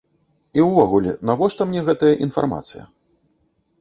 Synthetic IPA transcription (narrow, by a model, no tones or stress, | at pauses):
iwvɔɣulʲɛ̰navɔʂt̪ɐmnʲɛɣɛt̪ɐjɐʔinfa̰rma̰t̪sɨjɐ̰